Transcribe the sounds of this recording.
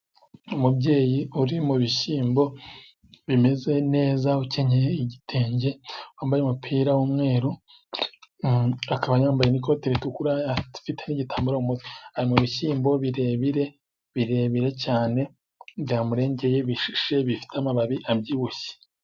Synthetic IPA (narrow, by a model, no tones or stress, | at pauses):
umubɟe̞ːjiuɾimuβiʃiːmbo̞ | βime̞ze̞ne̞ːzauceɲeeiɟitʰe̞ːɲɟe̞waːmbajeumupʰiːɾawumŋe̞ːɾo | akaβajaːmbajeniko̞tiɾitukuɾatu̥fiteniɟitʰaːmbuɾaumutwi̥haɾimuβiʃiːmbo̞βiɾeβiɾe̞ | βiɾe̞βiɾe̞caːne̞ | bjaːmuɾe̞ːɲɟe̞je̞βiʃi̥ʃe̞βifi̥tamaβaβiʔabɟiβuçe̥